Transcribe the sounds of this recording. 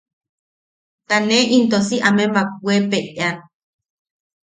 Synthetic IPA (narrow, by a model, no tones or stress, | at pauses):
t̪aneʔint̪̬osiʔamembak̚wʷepeʔan